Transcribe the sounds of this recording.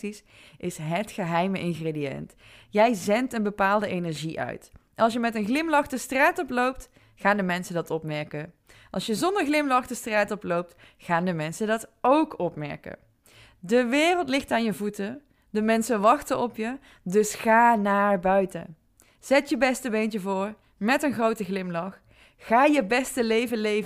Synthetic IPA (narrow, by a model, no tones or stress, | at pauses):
is | ʔɪsɦətχəɦɛjməʔɪnɣredijɛ̰nt | jɛjzɛntənbəpaːlˠdəʔejnɛɹʒiʔœ̰ɥt | ɑlˠsjəmɛtənχlɪmlɑχdəstraːtɔplowp̚t | χaːndəmɛnsəndɑtɔpmɛɹkə | ʔɑ̰lˠsjəzɔndəɹχlɪmlɑχdəstraːtɔplowp̚t | χaːndəmɛnsədɑtowkɔpmɛɹkə̰ | dəʋɪːrəlˠtlɪχtaːnjəvutə | dəmɛnsənʋɑxtənɔpjə | dɵsχaːnaːɹbœɥtə̰ | z̥ɛtjəbɛstəbent͡ʃəvʊːɹ | mɛtənχrowtəɣlɪmlɑχː | aːjəbɛstəlejvəlejvə